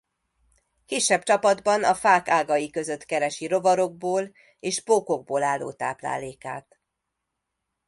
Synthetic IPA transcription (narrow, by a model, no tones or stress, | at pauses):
kiːʃːɛbt͡ʃɒpɒd̪bɒnɒfaːkaːɡɒjikø̞zø̞t̪kɛɾɛʃiɾo̞vɒɾo̞ɡ̚boːl | eːʒboːko̞ɡ̚boːlaːlːo̰ːt̪a̰ːpla̰ːleːka̰ːt̪